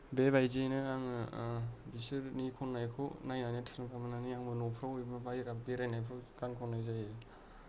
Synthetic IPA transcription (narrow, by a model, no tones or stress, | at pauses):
bebajzenɯaŋ | bisɯɾnikʰɔnːajkʰɔnajnanitʰɯ̥nɯkamananiaŋbɯnɔpʰɾawjbabajɾabeɾajnajpʰɾakankʰɔnːajzaje